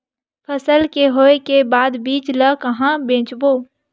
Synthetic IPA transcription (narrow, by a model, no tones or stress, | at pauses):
pʰəsəlkeɦoːekebaːd̪biːt͡ʃləkɐɦãbẽːt͡ʃboː